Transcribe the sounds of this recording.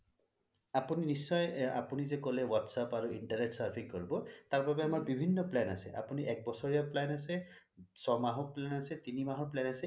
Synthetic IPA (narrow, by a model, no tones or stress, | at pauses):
apuninisːɔja̰punizɛkɔlɛwatsapaɹuiɳʈaɹneʈsaɹpʰikːoɹibɔt̪aɹbabɛamaɹbibʱinːɔplɛna̰sɛ̰ʔa̰puniɛk̚bɔsɔɹijaplɛnasɛ | sɔmaɦɔplɛnasɛt̪inimaɦɔɹplɛnasɛ